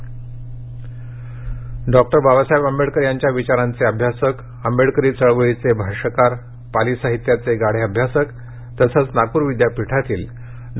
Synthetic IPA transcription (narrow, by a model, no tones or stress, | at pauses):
ɖɔk̚ʈəɾbabasajbəmbeɽkəɾjaɲt͡ɕjaʋit͡ɕaɾant͡seəbʱjasək | əmbeɽkəɾiːt͡səɭʋəɭit͡sebʱaɾʂəkaɾ | palisaɦit̪jat͡seɡaɽ̤eəbʱjasək | t̪əsət͡snakuːɾʋid̪japiʈʰat̪iːl | ɖ